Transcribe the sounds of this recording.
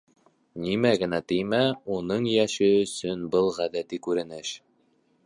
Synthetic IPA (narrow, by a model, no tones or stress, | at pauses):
nimæɡɘ̆næt̪ɘjmæunɤɴjæʃɘɵ̆sɵnbɤlˠʁæðæt̪ikʉɾɘ̆nɘʃ